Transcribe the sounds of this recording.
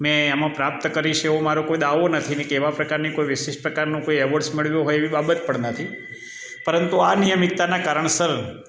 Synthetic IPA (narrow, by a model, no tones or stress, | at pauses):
mɛ̃amãpɾap̚t̪kəɾiʃeomaɾokoid̪aʋonət̪ʰinekeʋapɾəkaɾnikoiʋɪʃeʃʈpɾəkaɾnũkoiɛʋoʈsmeɭʋjõɦojeʋibabət̪̚pəɳnət̪ʰi | pəɾənt̪uanijəmik̚t̪anakaɾəɳsəɾ